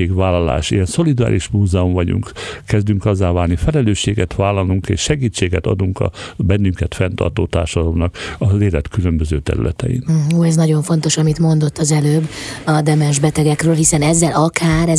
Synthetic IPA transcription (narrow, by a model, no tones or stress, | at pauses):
eːɡʋaːlːɒla̰ːʃijɛnso̞lid̪ua̰ːɾʔiʃmuːzɛomvɒɟṵŋkkɛzd̪yŋkɒzːaːvaːlnifɛlɛløːʃːeːɡɛt̪ʋaːlːɒluŋkḛːʃʃɛɡiːt͡ʃːeːɡɛt̪ɒ̰d̪uŋkɒ̰bɛnːyŋkɛt̪fɛnt̪ɒ̰rt̪oːt̪a̰ːrʃɒd̪ɒlomnɒkɒzeːlɛt̪kylømbøzøːt̪ɛ̰ɾy̰lɛ̰t̪ɛ̰jḭnuːɛznɒɟo̞ɱfo̞nt̪o̞ʃɒmit̪mo̞nd̪o̞t̪ːɒzɛløːbɒd̪ɛmɛnʒbɛt̪ɛɡɛkrøːlɦisɛnɛzːɛlɒkʰaːɾɛ